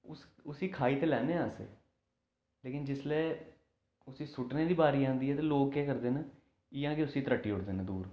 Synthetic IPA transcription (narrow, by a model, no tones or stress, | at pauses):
ʊsʊsiːkʰaːiːt̪eːlɛːneːãːsḛː | leːkɪnd͡ʒɪslɛː | ʊsiːsʊʈneːd̪iːbaːɾiːãːnd̪iːɦɛːt̪eːloːɡkeːkəɾd̪eːnə | ɪjãːkeʊsiːt̪əɾəʈːiːɦʊʈd̪eːnəd̪uːɾ